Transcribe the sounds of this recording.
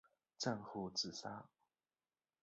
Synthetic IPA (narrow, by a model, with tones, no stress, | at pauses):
ʈ͡ʂa˥˧nxu˥˧˩t͡sɹ̩˨˩sa˥